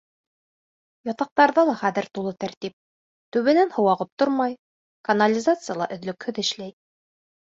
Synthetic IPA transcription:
jɑt̪ɑq̚t̪ɑɾðɑlˠɑχæðɘ̆ɾt̪ulˠɤt̪æɾt̪ip̚ | t̪ʉβɘ̆nænhŏwɑʁɤp̚t̪oɾmɑj | kɐnalʲizat̪sɨjɑlˠɑ̰ʔɵ̆ðlɵkhɵðɘ̆ʃlæj

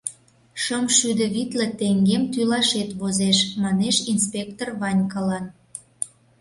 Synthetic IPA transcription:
ʃəmʃyd̪əβit̪lĕt̪eŋɡemt̪ylɑʃet̪βozeʃmɑneʃinspʲekt̪orβɑnʲkɑlɑn

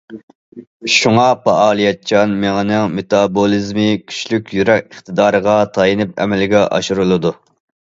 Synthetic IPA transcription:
ʃuŋɑpʰɑɑːlˠijɛt̪t͡ʃʰɑnmeŋɪnɪŋmet̪ɑbolˠɨzmɨkʲʰy̥ʃlykʲjyɾɛkʲəχt̪ɨd̪ɑːɾəʁɑt̪ʰɑjinɨp̚ɛ̰mɛlɪɡʲɛʔɑ̰ʃuɾulˠɨd̪u

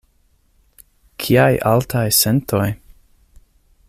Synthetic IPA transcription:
kʰiajʔaltʰajsentoj

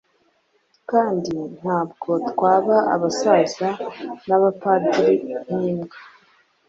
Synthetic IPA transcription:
kaːndin̥haːb̚ɡo̞twaːβaa̰βasazanaβapadɾikn̥iːmɡe

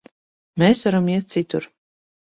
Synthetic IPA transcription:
meːsvaɾɔmiɛt̪̚sit̪uɾ

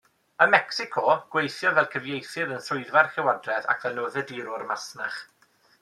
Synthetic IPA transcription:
əmɛksɪkʰɔɡ̥wejθjɔvɛlˠkʰəvjejθɨðənθʊɨðvarxɪwadrɛða̰kʰvɛlˠnoːðədiɾʊrmasnaχ

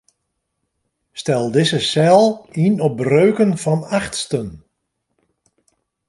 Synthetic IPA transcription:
stɛlˠdɪsəsɛlˠinɔp̚røːkənfɔnaχtstən

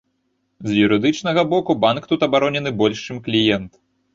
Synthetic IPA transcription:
zjuɾɨd̪ɨt͡ʂn̪ɐɣɐbɔkubankt̪ut̪ɐbaɾɔnʲɛnɨbɔlʲʂt͡ʂɨmklʲijɛnt̪

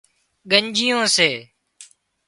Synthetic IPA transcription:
ɠəɲd͡ʒɪjõːseː

